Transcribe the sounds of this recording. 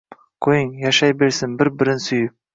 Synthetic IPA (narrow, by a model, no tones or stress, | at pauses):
kʰojɪŋjaʃajbe̞ɾsɪnbɪɾbɪɾɪnsʊjɪp̚